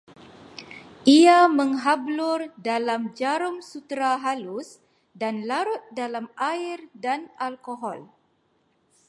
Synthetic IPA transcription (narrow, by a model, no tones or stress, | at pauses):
ʔiaməŋɦablʊrdalamd͡ʒaɾʊmsut̪ɾaɦalus | danlaɾʊt̪̚dalamʔairdanalkoɦɔl